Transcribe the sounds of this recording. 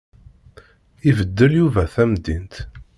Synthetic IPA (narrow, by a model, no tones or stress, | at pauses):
ivəd̪ːəljuvæθæmd̪int̪